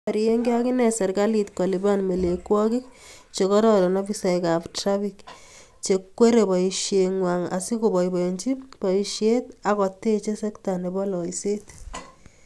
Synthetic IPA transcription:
ɾie˦ŋɡi˦a˦ki˦nɛ˨sɛ˨ɾka˦li˨tkɔ˨li˨ba˦nme˨le˨kwɔ˦ki˦k̚t͡ʃe˨kɔ˦ɾɔ˦ɾɔ˨nɔ˦bi˦sa˨ika˨ptɾa˦fi˨k | t͡ʃe˨kːwe˦ɾe˨bɔ˨iʃje˨ŋwa˨ŋa̰˨si˦ko˨bɔ˨jbɔ˨eɲt͡ʃi˦pɔ˨i˨ʃje˦ta˨kɔ˨te˦t͡ʃe˦sɛ˦kta˨ne˨bɔ˦lɔ˨ise˦t

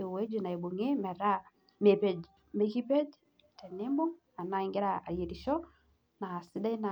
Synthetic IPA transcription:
e˨we˦d͡ʒi˨na˨e˨bo˨ŋe˦mɛ˨ɾa˦ | me˨pe˨d͡ʒ | me˨ki˦pɛ˦d͡ʒ | tɛ˨ne˦mbɔ˦ | a˨na˨ɪ˨ŋɡe˦ɾaa˨ɾje˨ɾi˨ʃɔ˦ | na˨sɪ˦da˦i˦na˨

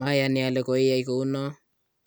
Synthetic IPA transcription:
a˦janɪalɛko˨i˦jaiko˨u˦nɔ˦

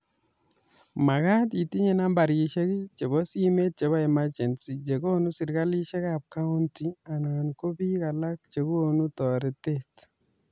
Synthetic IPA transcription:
ma˨ɣa˦ti˨ti˦ɲe˨na˦mba˨ɾɡi˨ʃe˦ɡi˦t͡ʃe˨bɔ˦si˦me˦t̚t͡ʃe˨βa˦ɛ˨mad͡ʒɛ˨nsi˨d͡ʒe˨ɡo˦nu˦si˨ɾka˦li˦ʃe˦ka˨p̚ka˦u˦ntia˨nanko˦bi˦ka˨la˦k̚t͡ʃe˨ɡu˦o˦nu˦tɔ˨ɾɛ˦tet

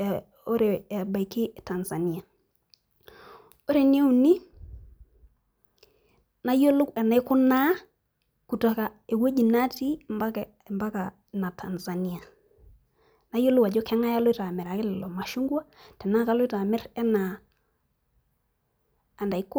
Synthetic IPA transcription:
o˦ɾe˨ba˨i˨kɪ˦ta˨nza˨ni˨a˨ | o˦ɾe˨n˦e˦u˨ni˦ | na˦jo˦lʊ˦kɛ˨na˨˦ɪ˦kʊ˦na˦ | ku˨ta˨ka˨ | e˨wo˦d͡ʒi˨na˦ti˦mba˦k | mba˦ka˨ | na˨tʰa˨nza˨ni˦a˨ | na˦jo˦lʊ˦ka˨d͡ʒo˦kɛ˦ŋa˦ja˦lo˦ɪ˦ta˨mɛ˨ɾa˨kɪ˦lɪ˨lɔ˨ma˨ʃu˦ŋɡwa˦tɛ˨na˦ka˦lo˦ɪ˦ta˨mɛ˦ɾɛ˦na˨ | nda˨i˦k

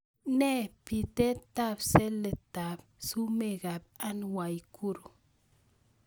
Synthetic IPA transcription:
ne˦pi˨t̪e˦t̪a˦bse˦le˨t̪a˨b | su˦me˦ɡa˨pa˦nwa˨jkʰu˦ɾu˨

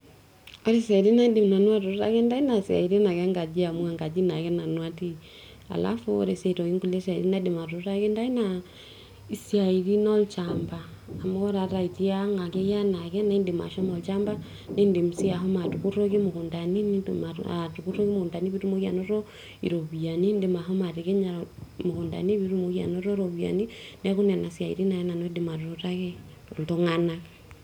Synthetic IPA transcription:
ɔ˦ɾi˦sa˨ɾi˦na˦de˨m˨na˨nwa˦tu˨ɾu˦ta̰˦kɛ˦nda˦i˦na˨si˨a̰˨i˨ɾi˦na˨kɛ˦ŋɡa˨d͡ʒi˦a˨mwa˦ŋɡa˨d͡ʒi˦na˨kɛ˦na˨nwa˦ti˦ | a̰˨la̰˦fu˦ɔ̰˦ɾe˨sɛ˦tɔ˨i˦ŋku˦le˦sa˨ɾi˦na˦de˨ma˨ɾu˨ɾu˦ɾa˦kɛ˦nda˦i˦na | i˨sia˨i˨ɾi˦nɔ˦lt͡ʃambaː˨ | mo˦ɾa˨ɾa˨i˨ti˦a˦ŋɡa˨kɛ˦ja˦na˨kɛ˦na˨i˦nde˨ma̰˨ʃɔ˦mɔ˨lt͡ʃa˦mba˦ | ne˦nde˨mu˨si˦a˨ɦɔ˦ma˨tu˨ku˦ɾo˦ɣi˦mo˨ku˨nda˨ni˦ni˦˨atuku˦ɾo˦ki˦mo˨ku˨nda˨ni˦βi˦ɾu˦mo˦ɣi˦a̰˨no˦ɾɔ˦ | ḭ˨ɾo˨βia˨ni˦nde˨ma˨ɦɔ˦ma˨ɾi˨ke˦ɲa˨mo˨ku˨nda̰˨ni˦βi˦ɾu˦mo˨ɣi˦a̰˨no˦ɾɔ˦ɾo˨βia̰˨ni˦n˦a˦ku˦nɛ˨na˨sia˨ḭ˨ɾi˦na˨jɛ˦na˨no˦di˨ma˨ɾu˨ɾo˦ɾa˦ɣɛ˦˨ | lto˦ŋanake

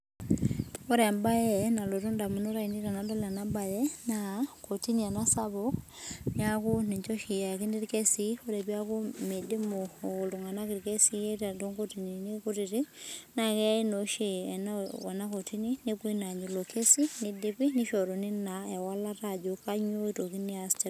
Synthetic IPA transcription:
o˦ɾɛ˨mba˦jɛ˦na˨lo˨tu˦nda˨mu˨no˦ɾa˨i˨ni˦ɾa˨nadɔ˦la˨namba˨jɛnako˨ti˦ni˨a˨na˦sa˦βok | ɲa˦ku˦ne˨ɲt͡ʃɔ˦ʃi˨ja˨ki˦ndi˦ɾike˦sio˦ɾe˨βi˦a˦ku˦me˨de˦mo˨o˨loŋa˨na˦kiɾike˦si˦e˦ta˨do˦ŋkotininiko˦tiɾi˦na˨kɛ˦i˦noʃe˨ɛnaa˨na˦ko˨ti˦ni˦ne˦ku˦ina˨ɲu˨lo˨ke˦si˦nidi˦pi˦ni˦ʃɔ˨ɾo˨ni˦naɛ˨wa˦la˦tad͡ʒoka˦ɲo˦itoki˦ni˦astɛ

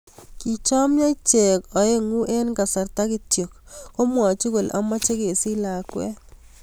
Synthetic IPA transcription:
ki˨t͡ʃɔ˦mja˦t͡ʃe˨kɔ˨e˦ŋu˦ʔe˦nka˨sa˨rta˦kɪ˦tjo˨k̚ːo˦mwɔ˨t͡ʃu˦kʊ˨lʔa̰˦mɔ˦t͡ʃe˦ke˨si˦la˨kwɛ̰˦

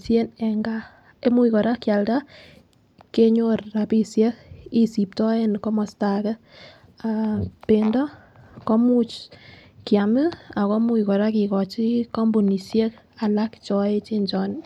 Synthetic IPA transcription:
se˦nɛ˨ŋɡa˦ | e˦mu˦ikɔ˨ɾa˦kja˨lta˦ | ke˦ɲo˦rːa˨pi˦sje˦ki˦si˨p̚tɔ˦e˦nkɔ˦mɔ˨sta˨kɛ˦ | apendɔ˦ | kɔ˦mu˦t͡ʃkja˨mɨ˦a˨kɔ˦mu˦ikɔ˨ɾa˦ki˨kɔ˨t͡ʃikɔ˦mbu˨ni˨sje˦ka˨la˦kt͡ʃɔ˨e˦t͡ʃi˦nt͡ʃɔ˨n

